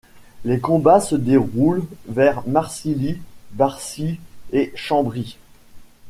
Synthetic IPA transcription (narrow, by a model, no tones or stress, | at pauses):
lekɔ̃basəd̪eʁulvɛʁmaʁsilibaʁsieʃɑ̃bʁi